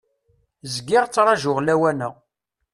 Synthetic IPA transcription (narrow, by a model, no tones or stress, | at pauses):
zɡɪʁt͡sːɾˤɑʒʊʁlæwænəʁ